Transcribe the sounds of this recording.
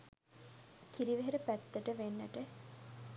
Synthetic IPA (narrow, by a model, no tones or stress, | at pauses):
kiɾiʋeɦeɾəpæt̪ːɐʈəʋenːəʈə